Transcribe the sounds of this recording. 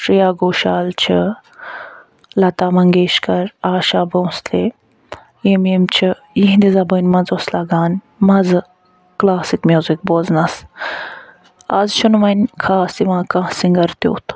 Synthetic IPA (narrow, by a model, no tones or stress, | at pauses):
ʂɾijaːɡoːʃaːlt͡ʃʰi | lɐt̪aːmɐŋɡeːʃkɐɾaːʃaːbəw̃sle | jememt͡ʃʰi | jiɦ̪d̪izɐbənʲmɐnzoslɐɡaːn | mɐzɨ | klaːsikmʲjuːzik̚boːznɐs | ɐzʃʰunʋɐnʲkʰaːsiʋãːkãsiŋɡɐɾt̪jo̰ːt̪ʰ